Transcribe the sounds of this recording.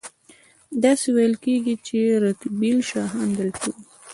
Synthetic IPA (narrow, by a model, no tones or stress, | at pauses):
d̪ɑsewajəlkeɡit͡ʃeɾat̪bilʃɑɦand̪əlt̪u